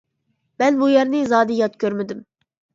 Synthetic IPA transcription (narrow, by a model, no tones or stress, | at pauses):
mɛnbujɛɾnɪzɑːd̪ɨjɑt̪kʲøɾmɪd̪ɪm